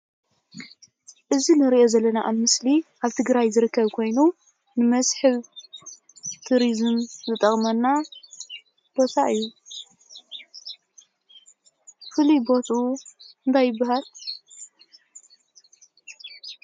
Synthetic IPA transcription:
ʔɨzinɨɾiʔo̞zɐlːɐnaʔamɨsliʔaβt̪ʰɨɡɾajzɨɾɨkːɐβkʰo̞jnu | nɨmɐsħɨβ | t̪ʰuɾizɨmzɨt̪ʼɐχʼmɐnːa | b̥o̞t̪ʰaʔɨjːu | fɨlibo̞t̪ʰuɨnt̪ʰajːɪbːaɦal

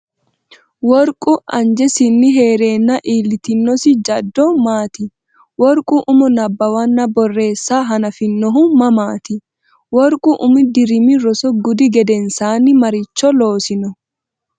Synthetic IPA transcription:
wɔɾkʼʊʔɐnd͡ʒɛsɪnːɪɦeːɾe̞ːnːɐʔiːlɪt̪ɪnːɔsɪd͡ʒɐd̪ːɔmaːt̪ɪ | wɔɾkʼʊʔʊmɔnɐbːɐwɐnːɐbɔrːe̞ːsːaːɦɐnɐfɪnːɔɦʊmmɐmaːt̪ɪ | wɔɾkʼʊʔʊmɪd̪ɪɾɪmɪɾɔsɔɡʊd̪ɪɡɛd̪ɛnsaːnɪmɐɾɪt͡ʃːɔloːsɪnɔ

